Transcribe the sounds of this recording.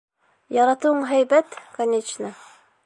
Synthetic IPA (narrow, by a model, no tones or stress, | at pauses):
jɑɾɑt̪ɤɤɴɦæjbæt̪kɐnʲet͡ʃnə